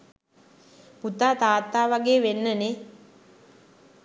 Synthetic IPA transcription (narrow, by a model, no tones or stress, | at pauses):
put̪aːt̪aːt̪ːaːʋaɡeːʋenːəne